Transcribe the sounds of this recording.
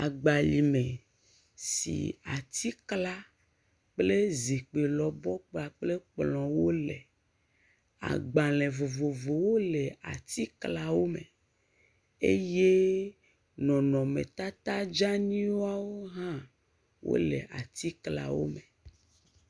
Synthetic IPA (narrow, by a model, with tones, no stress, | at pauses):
a˨ɡ͡ba˨li˨me˨ | sḭ˨a̰˨t̪i˦kla˦ | k͡ple˦zi˨k͡pe˨lɔ˨bɔ˦k͡pa˨k͡ple˦k͡plɔ̃˨wo˦le˨ | a̰˨ɡ͡bã˨lẽ˨vo˨vo˨vo˨wo˦le˨a˨t̪i˦kla˦wo˦me˨ | ḛ˦je˦ | nɔ̃˨nɔ̃˨mḛ̃˨t̪a˦t̪a˦d͡ʒa˦ɲĩ˦wo˦a˦wo˦ɦã˦ | wo̰˦lḛ˨ʔa˨t̪i˦kla̰˦wo̰˦me˨